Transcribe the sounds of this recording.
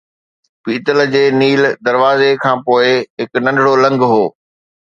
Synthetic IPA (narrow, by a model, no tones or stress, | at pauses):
piːt̪əld͡ʑeːniːld̪ɐɾʋaːzekʰãːpoːɪɦɪknɐ̃ɳɖʱɽolɐ̃ŋɡɦoː